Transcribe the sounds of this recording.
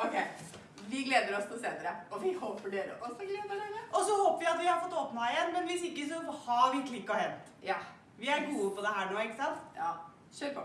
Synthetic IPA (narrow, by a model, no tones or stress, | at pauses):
ɔkʰeɪ | ʋɪɡleːd̪əɾɔst̪useːnəɾəɔʋɪhoːpəɖeːɾə̰ʔɔsːɔɡleːd̪ɖeːɾəɔsɔhoːpəʋɪɑt̪ʋɪhɑɾfɔt̪ːoːpnɑɪjɛnːmɛnʋɪsɪkːəs̬ɔhɑʋɪkːʰlɪkːɔɦɛn | jɑ | ʋɪæɾɡuːəpʰɔd̪ɛɦæːɳnuːɛkːəsɑnt̪jɑː | ʃøːɾpɔ